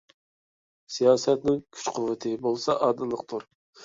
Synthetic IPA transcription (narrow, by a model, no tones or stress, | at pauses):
sijɑːsɛt̪nɪŋkʲʰy̥t͡ʃqʰʊvːɨt̪ʰɨbolˠsɑʔɑːd̪ɨlˠəq̚t̪ʰuɾ